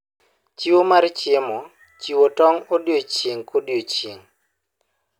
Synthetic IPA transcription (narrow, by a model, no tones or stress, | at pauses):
t͡ʃiwomaɾt͡ʃɪmɔ | t͡ʃiwotɔŋodjot͡ʃiŋkodjot͡ʃiŋ